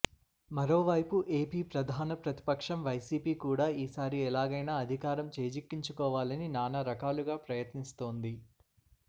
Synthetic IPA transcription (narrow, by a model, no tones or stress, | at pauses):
mɐɾo̞ːʋɐjpuʔeːpiːpɾɐd̪ʱaːnɐpɾɐt̪i̥pɐkʂɐmʋɐjsiːpiːkuːɽaːiːsaːɾiɛlaːɡɐjnaːɐd̪ʱikaːɾɐmt͡ʃeːd͡ʒikːiɲt͡ʃukɔːʋaːlɐninaːnɐɾɐkaːluɡaːpɾɐjɐt̪nist̪o̞ːnd̪i